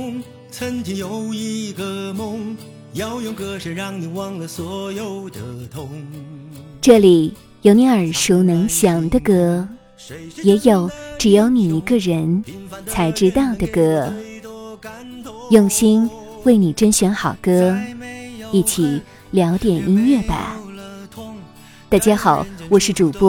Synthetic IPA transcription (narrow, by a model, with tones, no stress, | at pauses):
ŋ | t͡sʰə˧˥nt͡ɕʰi˧˥jo˧˥ʊi˥ɡə˧˩mʊ˧˥ŋ | jɑ˧ʊjɛ˧˥nkɤ˧˥ʂ̩˧˩ɻɑ˥˩ŋni˨˩wɑ˥˧ŋlə˧swɔ˧˥jo˨˩ʊd̪ə˧˩t̪ʰʊ˧˥ŋ | ʈ͡ʂɤ˥˩li˨˩ | jo˧˥ʊni˧˥ə˞˨˩ʂu˧˥ʊnɤ˧˥ŋɕjɑ˨˩ŋd̪ə˧kɤ˥ | jɛ˧˥jo˨˩ʊʈ͡ʂɻ̩˨˩jo˧˥ʊni˨˩i˧˥ɡə˥˧ɻə˧˥nt͡sʰa˧˥ɪʈ͡ʂɻ̩˥t̪ɑ˥˩ʊd̪ə˩kɤ˥ | jʊ˥˩ŋɕi˥n | we˥˩ɪni˨˩ʈ͡ʂə˥nɕɥɛ˧˥nxɑ˨˩ʊkɤ˥ | i˥˩t͡ɕʰi˨˩˦ | ljɑ˧˥ʊt̪jɛ˨˩nʔi˥ŋɥɛ˥˩ba̰˩ | t̪a˥˩t͡ɕjɛ˥xɑ˨˩˦ʊwɔ˨˩ʂɻ̩˥˩ʈ͡ʂu˨˩pɔ˥